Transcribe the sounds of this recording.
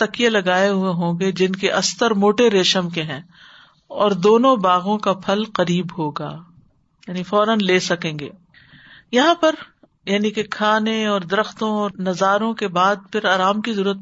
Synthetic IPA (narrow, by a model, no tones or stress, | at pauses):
t̪ɐkijelɐɡaːeɦueɦõːɡed͡ʒɪnkeʔɐst̪əɾmoːʈeɾeːʃəmkeɦɛ̃ː | ɔːɾd̪oːnõbaːɣõkapʰɐlqɐɾiːbɦoːɡaː | jaːnifɔːɾənleːsɐkẽːŋɡḛː | jɐɦãpɐɾ | jaːnikekʰaːneɔːɾd̪ɐɾəxt̪õɔːɾnɐzaːɾõkebaːd̪̚pʰɪɾaːɾaːmkizɐɾuːɾət̪̚